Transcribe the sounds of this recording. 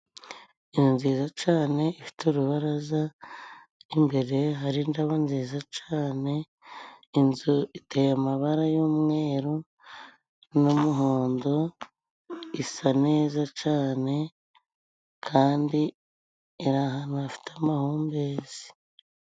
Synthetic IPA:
ijonziːzat͡ʃaːne̞ifi̥tuɾuβaɾaza | imbe̞ɾe̞ɦaɾindaβanziːzat͡ʃaːne̞ | inzuitejamaβaɾajomŋe̞ːɾo | numuɦoːndo̞ | isane̞ːzat͡ʃaːne̞ | kʰaːndiː | ɾaɦanuafi̥tamahuːmbezi̥

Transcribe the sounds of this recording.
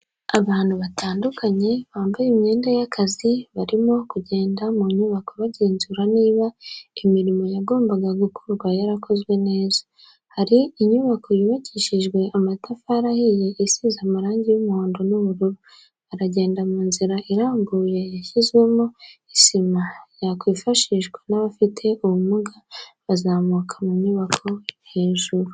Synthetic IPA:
aβaːnhuβatʰaːndukʰaɲe̞βaːmbajimɲe̞ːndajakʰaziβaɾimo̞kuɟe̞ːndamuɲuβako̞βaɟeːnzuɾaniːβaimiɾimo̞jaɡo̞ːmbaɡaɡukʰuɾɡwajaɾakʰo̞zɡwe̞ne̞ːzḁ | haɾiːɲuβakʰo̞jiβaciʃiʒɡwe̞amatafaɾahije̞ʔisizamuɾaːɲɟijumuhoːndo̞nuβuɾuɾu | aɾaɟe̞ːndamuːnziɾaʔiɾaːmɡuːje̞jaçizɡwe̞moisimajakwiːfaʃiʒɡwenaβafitʰe̞ʔuβumuɡaβazaːmuːkʰamuɲuβakʰo̞hiːnʒuɾu

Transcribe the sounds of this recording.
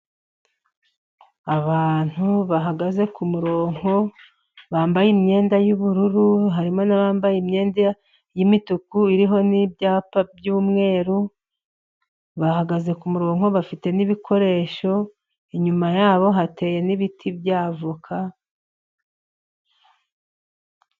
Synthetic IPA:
aβaːn̥huβaɦaɡaze̞kumuɾoːŋo | βaːmbajimɲe̞ːndajuβuɾuɾuɦaɾimo̞naβaːmbajimɲe̞ːnda | jimitukuiɾiɦo̞nibjaːpab̚juːmŋe̞ːɾu | βahaɡaze̞kumuɾo̞ːŋo̞βafite̞niβikʰo̞ɾe̞ːʃo̞ | iɲumajaːβo̞ɦate̞ːje̞niβitʰibjaːvukʰa

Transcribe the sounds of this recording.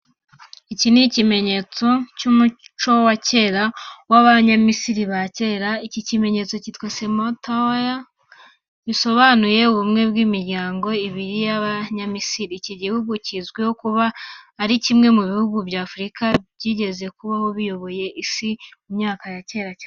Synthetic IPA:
icinicime̞ɲe̞t͡so̞cumut͡ʃo̞wace̞ːɾawaβaɲamisiɾiβace̞ːɾaicicime̞ɲe̞t͡so̞citwesemotaja | βiso̞βanuje̞uβumŋe̞bɡiːmiɾɟaːŋɡo̞iβiɾijaβaɲamisiɾiciɟihuɡucizɡweho̞kuβaːɾicimŋe̞muβihuɡubjaːfuɾikabɟiɟe̞ze̞kuβaho̞βijo̞βo̞je̞ʔisiumɲaːkajace̞ːɾa

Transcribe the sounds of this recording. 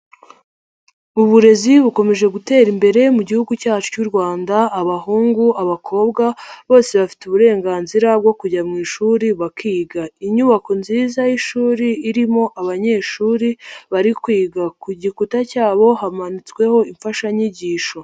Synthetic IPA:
uβuɾe̞ziβuko̞me̞ʒe̞ɡute̞ːɾimbe̞ɾe̞muɟihuɡucaːt͡ʃu̥cuɾɡwaːndaːβahuːŋɡuʔaβakʰo̞ːbɡaβo̞ːse̞βafi̥tuβuɾe̞ːŋɡaːnziɾab̚ɡo̞kuɟamŋiːʃuɾiβakiːɡaiɲuβako̞nziːzajiʃuːɾiːɾimo̞ʔaβaɲe̞ːʃuːɾiβaɾikwiːɡakuɟikutacaːβo̞hamanit͡swe̞ho̞iɱfaʃaɲiɟiːʃo̞

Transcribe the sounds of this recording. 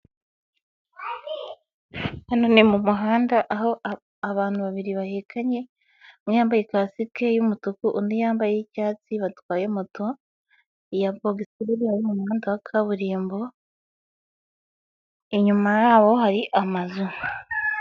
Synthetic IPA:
hanonimumuɦaːndaʔaho | aβaːn̥huβaβiɾiβahekʰaɲe̞ | mwijaːmbaje̞kasikejumutukuʔundijaːmbajecaːt͡siβatwaːjemuto | jaboɡisiɾiɾihajimumuhaːntawakʰaβuɾiːmbo | iɲumajaːβo̞ɦaɾiʔamazu

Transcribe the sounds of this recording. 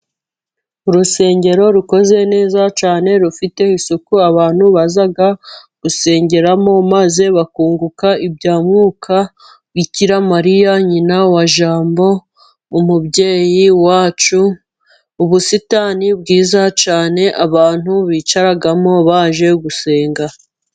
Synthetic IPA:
uɾuse̞ːɲɟe̞ɾo̞ɾuko̞ze̞ne̞ːzat͡ʃaːne̞ɾufite̞isukuaβaːn̥huβazaɡaɡ̥use̞ːɲɟe̞ɾamo̞maze̞βakuːŋɡukaibɟaːmŋuːkʰa | ɡiciɾamaɾijaɲinawaʒaːmbo̞ | umubɟe̞ːjiwaːt͡ʃu | uβusitaːnibɡiːzat͡ʃaːne̞ʔaβaːn̥huβiːt͡ʃaɾaɡamo̞βaːʒe̞ɡuse̞ːŋɡa

